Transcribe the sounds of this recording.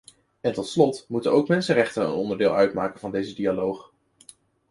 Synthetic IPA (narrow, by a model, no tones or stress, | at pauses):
ɛntɔtslɔtmutənowkmɛnsərɛχtənə̰nɔndəɹdɪːlˠœɥtmaːkənvɑndejzədialowχ